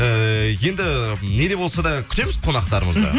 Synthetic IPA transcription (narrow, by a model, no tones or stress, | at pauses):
əje̞nd̪ɪne̞d̪e̞bo̞lˠsɑd̪ɑkʲʰʏ̥t̪e̞mɪzqʰo̞nɑq̚t̪ɑɾəməzd̪ə̰